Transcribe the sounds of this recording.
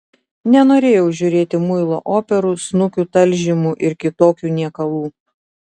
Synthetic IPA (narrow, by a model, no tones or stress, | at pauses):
nʲɛnoːɾʲeːjɛʊʒʲʊɾʲeːt̪ʲɪmʊɪlˠo̰ːʔoːpʲɛɾuːsnʊkʲuːt̪ɐlʲˑʒʲɪmuʔɪɾkʲɪt̪oːkʲuːnʲiɛkɐlˠuː